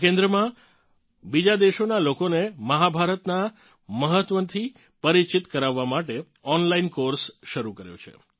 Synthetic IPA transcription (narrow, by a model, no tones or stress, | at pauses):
kẽnd̪ɾəmã | bid͡ʒad̪eʃonalokoneməɦabʱaɾət̪na | məɦət̪ʋənt̪ʰi | pəɾit͡ʃit̪kəɾaʋːamaʈe | ɔnlainkoɾsʃəɾukəɾjo̰t͡ʃʰḛ